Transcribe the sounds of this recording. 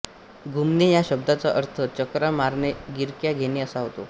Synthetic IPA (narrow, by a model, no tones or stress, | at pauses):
ɡʱumnejaɕəb̚d̪at͡saʔəɾt̪ʰət͡ɕəkɾamaɾɳeɡiɾkjaɡʱeneəsaɦot̪o̰